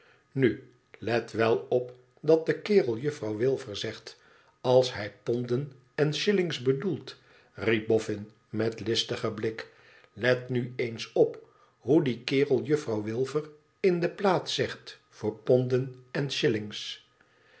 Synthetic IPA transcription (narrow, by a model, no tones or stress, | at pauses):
ny | lɛtʋɛlˠɔp | dɑt̚dəkɪːrəlˠjɵfrɑwʋɪlˠvəɹzɛχt | ɑlˠsɦɛjpɔndən | ɛnʃɪlɪŋzbədulˠt | rib̚bɔfɪn | mɛtlɪstəχəblɪk | lɛtnyejnsɔp | ɦudikɪːrəlˠjɵfrɑwʋɪlˠvər | ɪndəplaːt̪sɛχt | fʊːɹpɔndənɛnʃɪlɪŋs